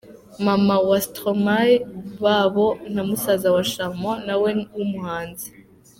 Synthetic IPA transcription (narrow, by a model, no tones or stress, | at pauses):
mamawastɾomajβaβo̞n̥hamusazawaʃamonawewumuhaːnzi̥